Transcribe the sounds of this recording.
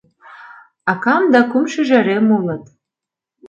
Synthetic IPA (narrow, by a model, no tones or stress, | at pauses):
ɑkɑmd̪ɑkumʃɘ̆ʒæɾemulˠɤ̆t̪